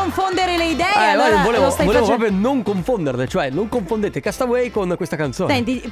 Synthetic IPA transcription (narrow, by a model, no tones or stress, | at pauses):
oɱfond̪eɾeleid̪ɛɛɛvoleːvvost̪voleːvoɾɔp̬ɾjonoŋkoɱfond̪ernet͡ʃoɛnoŋkoɱfond̪eːt̪ekast̪awɛjkonkwest̪akant̪soːsɛnt̪i